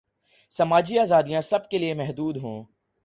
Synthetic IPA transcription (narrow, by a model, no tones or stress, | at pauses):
sɐmaːd͡ʒiaːzaːd̪ijãsɐb̚keliemɛɦd̪uːd̪ɦṵ̃ː